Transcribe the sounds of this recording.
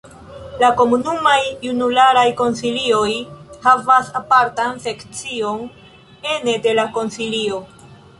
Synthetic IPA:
lako̞munumajːunulaɾajko̞nsilio̞jhavasapaɾtanse̞kt͡sio̞n | e̞ne̞de̞lako̞nsilio̞

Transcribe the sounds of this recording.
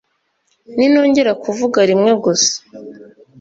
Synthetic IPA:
nino̞ːɲɟe̞ɾakuvuɡaɾimŋe̞ɡose̥

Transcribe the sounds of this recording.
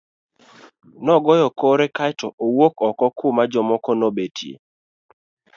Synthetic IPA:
nɔɡɔjɔkɔɾɛkajtʰɔʔowokɔkɔkʰomad͡ʒɔmɔkɔnobetjḛ

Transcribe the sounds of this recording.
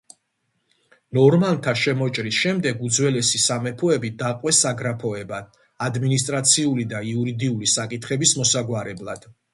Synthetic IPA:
nɔɾmant̪ʰaʃɛmɔt͡ʃʼɾisʃɛmd̪ɛɡud̪zwɛlɛsisamɛpʰɔɛbid̪aqʼwɛsaɡɾapʰɔɛba | ad̪minist̪ʼɾat̪sʰiulid̪aiuɾid̪iulisakʼit̪ʰχɛbismɔsaɡwaɾɛblˠad̪̥

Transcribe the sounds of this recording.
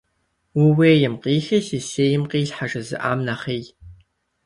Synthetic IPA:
wʊweːjɪmqiːxiːɬiseːjɪmqiːɬħaʐɐzɨ̰ʔa̰ːmnaχeːj

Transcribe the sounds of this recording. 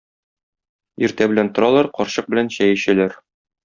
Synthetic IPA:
iɾt̪æbɘ̆lænt̪ŏɾɑlˠɑɾqɒɾɕɤq̚bɘ̆lænɕæjæ̆ɕælæɾ

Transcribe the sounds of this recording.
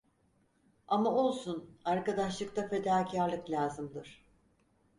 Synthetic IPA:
amao̞lˠsunaɾkad̪aʃlˠɯkt̪afe̞d̪aːcʰaɾlˠɯklʲaːzɯmd̪ɯɾ̥

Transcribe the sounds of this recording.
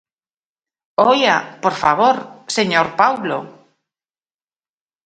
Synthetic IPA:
ojapoɾfaβoɾseɲoɾpawlo̰

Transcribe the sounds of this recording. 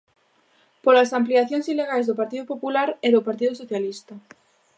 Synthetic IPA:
polasampliaθjoŋsileɣajzðopaɾt̪iðopopulaɾeðopaɾt̪̬iðʊsoθjalist̪a

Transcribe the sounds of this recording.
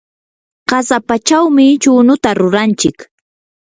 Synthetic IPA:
ɢɑsapat͡ʃawmɪt͡ʃʊːnʊt̪aɾʊɾant͡ʃɪk

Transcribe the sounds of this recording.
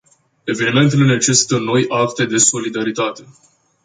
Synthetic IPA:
e̞ve̞nime̞nt̪̬elene̞t͡ʃe̞si̥t̪əno̞jʔakt̪e̞d̪e̞so̞lid̪aɾit̪at̪e̞

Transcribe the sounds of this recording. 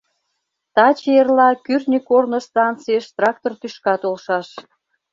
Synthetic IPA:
t̪ɑt͡ɕejerlɑkyrnʲikornost̪ɑnt͡sijəʃt̪rɑk̚t̪ort̪yʃkɑt̪olʃɑʃ

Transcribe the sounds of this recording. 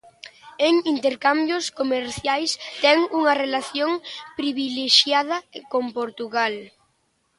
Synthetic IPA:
eŋint̪eɾkambjoskomeɾθjajst̪ɛŋuŋɐrelaθjoŋpɾiβileʃjað̞ɐkompoɾt̪uɣal

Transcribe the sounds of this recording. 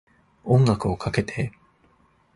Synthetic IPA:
õŋɡakɯokʰake̞t̪ʰe̞

